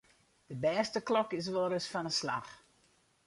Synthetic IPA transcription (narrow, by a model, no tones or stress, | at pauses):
d̥əbɛːstəklɔkɪs̬ʋoɾəsfɔnəsla̰x